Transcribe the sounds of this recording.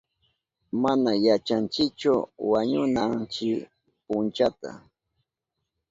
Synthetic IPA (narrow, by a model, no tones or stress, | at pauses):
manajat͡ʃant͡ʃɪk̚t͡ʃʊwaɲʊnant͡ʃɪ | pʊnt͡ʃat̪a̰